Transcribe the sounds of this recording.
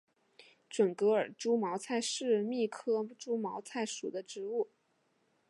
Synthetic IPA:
ʈ͡ʂwə˨˩nkɤ˧˥ə˞˨˩ʈ͡ʂu˥mɑ˧˥ʊt͡sʰa˥˧ɪʂɻ̩˥˧mi˥˩kʰɤ˥ʈ͡ʂu˥mɑ˧˥ʊt͡sʰa˥˩ɪʂu˨˩d̪ə˦ʈ͡ʂɻ̩˧˥u˥˩

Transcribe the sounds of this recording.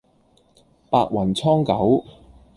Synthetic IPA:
paː˧k̚wɐ˨˩nt͡sʰɔː˥ŋkɐ˨˥w

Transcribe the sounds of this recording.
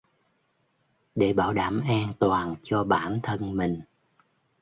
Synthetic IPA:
ɗe˧˦ɓaː˧˦wɗaː˧˥mʔa˧ŋt̪waː˨˩nt͡ɕɔ˧ɓaː˧˥nt̪ʰə˧nmï˨˩ŋ̟

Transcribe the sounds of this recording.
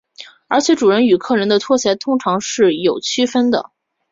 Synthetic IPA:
ə˞˧˥t͡ɕʰjɛ˧˥ʈ͡ʂu˨˩ɻə˧˥ny˨˩kʰɤ˥˩ɻə˧˥nd̪ə˧t̪ʰwɔ˥ɕjɛ˧˥t̪ʰʊ˥ŋʈ͡ʂʰɑ˧˥ŋʂɻ̩˥˩jo˨˩ʊt͡ɕʰy˥fə˥nd̪ə̰˨

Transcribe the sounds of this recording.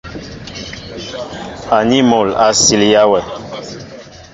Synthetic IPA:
a˨ni˦mo˨la˨si˨lja˦wɛ˨

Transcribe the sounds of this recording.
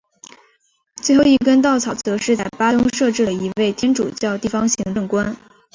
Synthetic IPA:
t͡swe˥˧ɪxo˥˧ʊi˥˩kə˥nt̪̬ɑ˥˩ʊt͡sʰɑ˨˩ʊt͡sɤ˧˥ʂɻ̩˥˧t͡sa˥˩ɪpa˥t̪ʊ˥ŋʂɤ˥˧ʈ͡ʂɻ̩˥˩lə˩i˧˥we˥˩ɪt̪ʰjɛ˥nʈ͡ʂṵ˨˩t͡ɕjɑ˥˧ʊt̪i˥˩fɑ˥ŋɕi˧˥ŋʈ͡ʂɤ˥˩ŋkwa˥n

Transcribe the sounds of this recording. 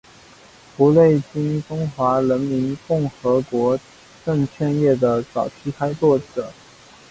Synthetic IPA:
pu˧˥le˥˩ɪt͡ɕi˥nʈ͡ʂʊ˥ŋxwa˧˥ɻə˧˥nmi˧˥nkʊ˥˩ŋxɤ˧˥kwɔ˧˥ | ʈ͡ʂɤ˥˧ŋt͡ɕʰɥɛ˥˧njɛ˥˩d̪ə˩t͡sɑ˨˩ʊtʰi˧˥kʰa˥ɪt͡swɔ˥˩ʈ͡ʂɤ˨˩˦

